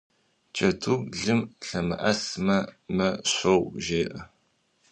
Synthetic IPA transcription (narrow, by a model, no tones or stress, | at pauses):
t͡ʃʼɐdʰuːɡɮɨmɬɐmɨ̰ʔɐsmɐmɐɕʷowʒeːʔɐ